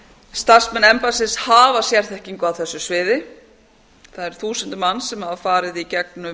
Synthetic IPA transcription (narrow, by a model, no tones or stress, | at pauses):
st̪ar̥smɛnːɛmpasɪshaːvasjɛr̥θɛhciŋkʏawθɛsːʏsvɪːðɪ | θaðɛɾ̥θuːsʏnt̪ɪmanːsɛmhaðafaːɾɪðicɛknʏ